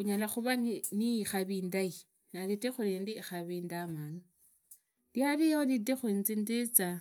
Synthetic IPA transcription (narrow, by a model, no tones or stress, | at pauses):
uɲalaxuβanniːxaβiːndai | nalitexulendixaβiːndamanu | ljaɾijolitexwinzindit͡sa